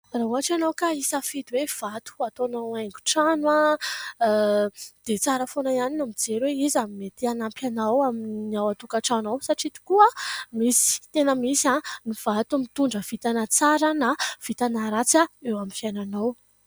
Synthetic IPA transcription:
raɦuaʈ͡ʂanawkaisafid̪wev̥at̪u̥at̪onaaŋɡu̥ʈ͡ʂanwa | d̪̥et͡saɾəfonaianinamid͡zeɾweizamet̪ianampanawaminiawat̪ukaʈ͡ʂanawsaʈ͡ʂid̪i̥kuamisi̥t̪enəmisaniv̥at̪umit̪uɳɖ͡ʐəv̥it̪anat͡saɾənav̥it̪anaɾat͡saewamifjananaw

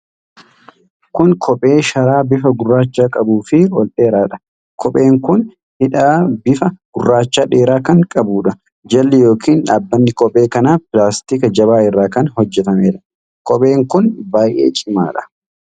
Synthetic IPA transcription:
kʊŋkʰɔpʼe̞ːʃɐɾaːbɪfɐɡʊrːaːt͡ʃːaːkʼɐbuːfɪwɔlɗe̞ːɾaːᶑɐ̥ | kʰɔpʼe̞ːŋkʊn | hɪᶑaːbɪfɐɡ̥ʊrːaːt͡ʃːaːᶑe̞ːɾaːkɐŋkʼɐbuːᶑɐ | d͡ʒɐlːɪjo̞ːkʰiːnɐbːɐnːɪkɔpʼe̞ːkɐnaːpɪlaːst̪ikɐd͡ʒɐβaːɪrːaːkɐnhɔd͡ʒːɛt̪ɐmeːᶑɐ̥ | kɔpʼe̞ːŋkʊnbaːjʔḛːt͡ʃʼɪma̰ːᶑɐ̥

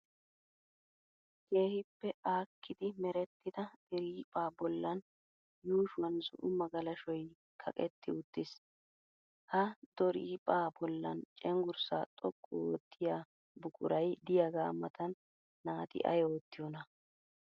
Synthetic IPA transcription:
ke̞ːhɪpːɛʔaːkʰːɪd̪ɪmɛɾɛt̪ːɪd̪ɐd̪ɛɾiːpʼaːbɔlːɐn | juːʃwɐnzʊ̰ʔʊmɐɡɐlɐʃɔj | kʰɐkʼɛt̪ːɪʊt̪ːɪs | hɐd̪̥ɔɾiːpʼaːbɔlːɐ̰nt͡ʃʼɛŋɡʊɾsaːt̪ʼɔkʼːɔɔt̪ʰːɪjaː | bʊkʼʊ̰ɾɐjd̪ɪjaɡaːmːɐt̪ɐnː | aːt̪ɪ̰ʔɐ̰joːt̪ːɪjɔnɐ

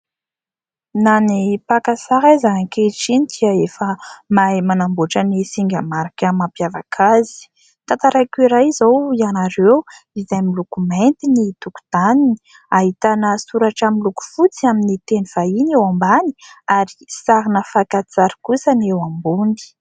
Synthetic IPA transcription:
nanipakasaɾajzaŋkeʈ͡ʂinid̪̥iaefəmamanamboʈ͡ʂənisiŋɡʲamaɾakʲəmapjavakʰazi̥ | t̪ant̪aɾajkiɾajizowianaɾew | izajmilukument̪init̪uku̥d̪anini̥ | aɦit̪anəsuɾaʈ͡ʂamiluku̥fut͡siaminit̪eniv̥ainewambani̥aɾisaɾinəfakat͡saɾi̥kusənewambuni̥

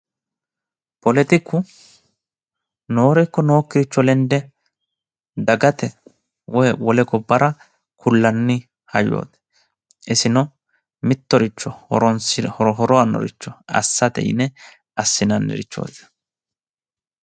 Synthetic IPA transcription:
pɔlɛt̪ɪkːʊ | no̞ːɾɛkːɔno̞ːkːɪɾɪt͡ʃːɔlɛnd̪ɛ | d̪ɐɡɐt̪ɛ | wɔjwɔlɛɡɔbːɐɾɐ | kʰʊlːɐnːɪ | hɐjo̰ːt̪ɛ̥ | ɛsɪnɔ | mɪt̪ːɔɾɪt͡ʃːɔɾɔnsɔɦɔɾɔɐnːɔ̰ɾɪ̰t͡ʃːɔɐ̰sːɐt̪ɛ̰jɪ̰nɛ | ɐsːɪnɐnːɛ̰ɾɪt͡ʃːo̰ːt̪

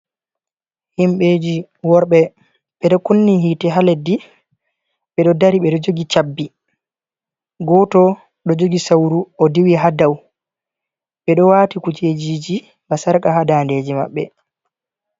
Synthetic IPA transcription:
himɓed͡ʒi | wɔɾɓɛ | ɓɛɗɔkunːiɦiːtɛɦaledːi | ɓɛɗɔdaɾiɓɛɗɔd͡ʒoɡit͡ʃabːi | ɡɔtɔ | ɗɔd͡ʒoɡisawɾuɔdiwiɦadaw | ɓɛɗɔwaːtikut͡ʃed͡ʒiːd͡ʒi | basaɾkaɦadandeːd͡ʒima̰ɓːɛ̰

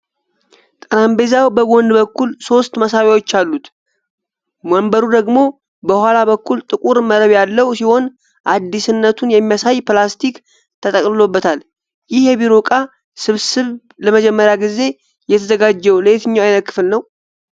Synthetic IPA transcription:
t̪ʼənambezawbəɡo̞nd̪bəkːulso̞st̪məsawawo̞t͡ʃːalːut̪ | məmbəɾud̪əɡmo̞ | bəhʷwalaβəkːult̪ʼɨkʼuɾməɾəβjalːəwsiho̞n | ʔad̪ːisɨnːət̪ʰunjɛmːijasajplast̪ʰik | t̪ʰət̪ʼəkʼlɨlo̞bːət̪ʰal | jɪhjɛβiɾo̞kʼa | sɨβsɨβ | ləməd͡ʒɛmːəɾjaɡize̞ | jɛt̪ʰəzəɡad͡ʒːɛwləet̪ɨɲːaajnət̪̚kːɨ̥fɨlnəw

